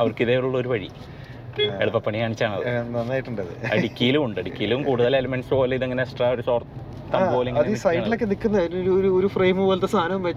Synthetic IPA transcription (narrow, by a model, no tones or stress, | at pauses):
ɐʋɐrkiðeːʋiɭuɭːɐoɾuʋɐɻḭ | eɭupːɐpːɐɳikaːɳit͡ɕːaːɳɐ̰ðɨɐnːaːjiʈːuɳɖɐðɨ̰ɐ̰ɽikʲːijilumuɳɖɨɐɽikʲːijilumkuːɽuðɐlelɐmenspoːɐlːɐiðeŋːɐneksʈraːoɾuso̞ːrt̪ | t̪ːɐmbo̞ːleŋːɐðiːsɐjɖilo̞kːenikːunːɐðjinoɾuoɾuoɾufreːmɨʋɐlt̪ːɐst̪ʰaːnɐmʋe